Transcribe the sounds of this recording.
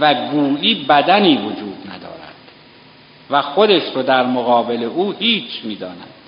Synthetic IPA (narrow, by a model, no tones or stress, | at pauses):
væɡuːliːbæd̪æniːvod͡ʒuːd̪næ̰d̪ɒ̰ːɾæ̰d̪̥ | væxo̞d̪eʃɾod̪æɾmoɣɒːbe̞le̞ʔuːhiːt͡ʃʰmiːd̪ɒːnæd̪